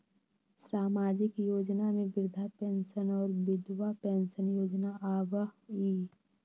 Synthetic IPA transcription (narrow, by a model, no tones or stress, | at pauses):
saːmaːd͡ʒɪkjoːd͡ʒnamẽʋɪɾd̪ʱapeːnʃənɔːɾʋɪd̪wapɛːnʃənjoːd͡ʒnaʔaːʋəɦiː